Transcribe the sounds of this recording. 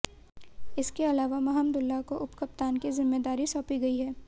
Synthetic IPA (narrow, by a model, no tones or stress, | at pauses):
ɪskeɐlaːʋamɐɦəmd̪ʊlːakoʔʊpkɐp̚t̪aːnkizɪmːeːd̪aːɾisɔːpiɡɐiɦɛː